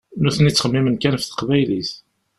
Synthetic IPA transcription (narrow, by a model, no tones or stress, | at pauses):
nuθənit͡sːχəmːimənkænfθə̥qvæjliθ